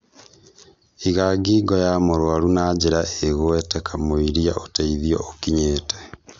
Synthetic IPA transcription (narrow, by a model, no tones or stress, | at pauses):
iɣaɡiːɡɔjamoɾwaɾunad͡ʑeɾaeɣwɛtɛkʰamoiɾiaʔotaiðiɔokiɲeːtɛ̥